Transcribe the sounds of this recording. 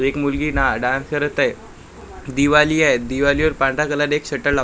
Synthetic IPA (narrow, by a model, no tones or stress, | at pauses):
ekmulɡiːnaɖãnsəɾət̪aj | d̪iʋaliːaet̪̚d̪iʋaliʋəɾpãɳɖakəlaɾekɕəʈəɭla